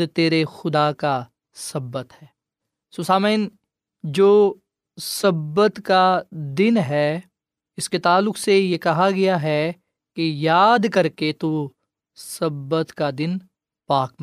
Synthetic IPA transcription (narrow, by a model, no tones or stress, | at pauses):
t̪eːɾexʊd̪aka | sɐbːət̪ɦɛː | soːsaːmeɪn | d͡ʒoː | sɐbət̪kad̪ɪnɦɛː | ɪsket̪aːlːʊksejekɐɦaɡɐjaɦɛ | kejaːd̪kɐɾket̪uː | sɐbːət̪kad̪ɪn | paːkm